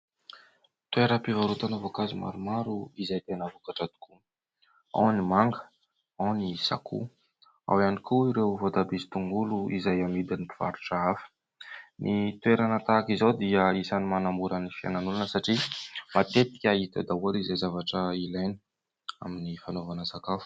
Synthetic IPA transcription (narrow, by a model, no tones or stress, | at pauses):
t̪ueɾəpivaɾut̪anavokazima̰ɾumaɾuizajt̪enavukaʈ͡ʂad̪u̥kʰu | a̰wnimaŋɡə̥ | awnisa̰kṵ | a̰wianikuiɾewvod̪abizi̥t̪uŋɡuluizajamid̪anipiv̥a̰ɾuʈ͡ʂəafə̥ | nʔit̪weɾanət̪akizod̪iəisanimanambuɾənifia̰nanulunəsaʈ͡ʂimat̪et̪i̥kʲait̪ə̰d̪aualizajzavaʈ͡ʂəilajnə̥ | a̰minifanovanəsakafu̥